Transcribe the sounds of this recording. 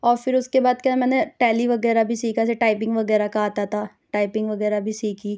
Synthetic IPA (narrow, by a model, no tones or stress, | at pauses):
ɔːɾfɪɾʊskebaːd̪̚kamɛ̃ːneʈɛːliʋɐɡɛːɾabʱisiːkaseʈaːɪpɪ̃ŋɡʋɐɡɛːɾakaɦaːt̪at̪ʰaː | ʈaːɪpɪ̃ŋɡʋɐɡɛːɾabʱisiːkiː